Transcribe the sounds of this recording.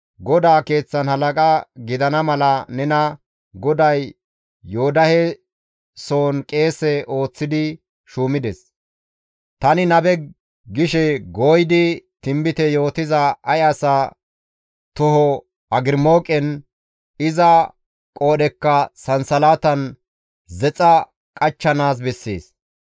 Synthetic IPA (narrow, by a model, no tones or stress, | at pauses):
ɡɔd̪aːke̞ːt͡sːɐnhɐlɐkʼaɡɪd̪ɐnɐmɐlɐnɛnɐ | ɡɔd̪ɐjː | oːd̪ɐhɛ | soːnkʼe̞ːsɛʔo̞ːt͡sːɪd̪ɪ | ʃuːmɪd̪ɛs | t̪ɐnɪnɐbɛ | ɡɪʃɛɡoːjɪd̪ɪt̪ɪmbɪt̪ɛjo̞ːt̪ɪzɐɐjɐsa | t̪ʊhɔ | ɐɡɪɾmo̞ːkʼɛn | ɪzɐ | kʼo̞ːɗɛkːɐsɐnsɐlaːt̪ɐn | zɛt͡sʼɐ | kʼɐt͡ʃːɐnaːs̬bɛsːḛːs